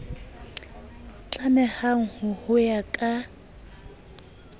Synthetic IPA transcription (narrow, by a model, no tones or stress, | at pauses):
t͡ɬʼanɛhaŋ̩hʊhʊjakʼa